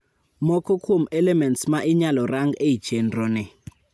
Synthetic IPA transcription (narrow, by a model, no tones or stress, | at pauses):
mɔkʰɔkʰumɛlɛmɛntsmaʔiɲalɔraŋɡei̥t͡ʃʰɛndrɔnɛ